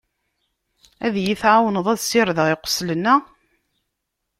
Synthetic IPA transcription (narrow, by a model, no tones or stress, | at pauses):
æðjiθʕawnəðˤæðsɪɾðəʁɪqʷːə̥slənːæ